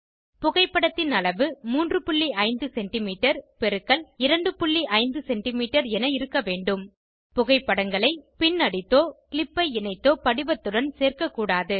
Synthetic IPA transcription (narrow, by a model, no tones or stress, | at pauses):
pʊɣɐɪpːɐɽɐt̪ːɪnɐlɐʋɯmuːndrɯpʊɭːiʔɐɪnd̪ɯsɛɳʈɪmiːʈːɐɾpɛɾɯkːɐɭɪɾɐɳɖɯpʊɭːiʔɐɪnd̪ɯsɛɳʈɪmiːʈːɐɾɛnɐɪɾɯkːɐʋeːɳɖɯm | pʊɣɐɪpːɐɽɐŋɡɐɭɐɪpɪnːɐɽɪt̪ːoːkɪɭɪpːɐɪɪnɐɪt̪ːoːpɐɽɪʋɐt̪ːɯɽɐnseːrkɐkːuːɽaːðɯ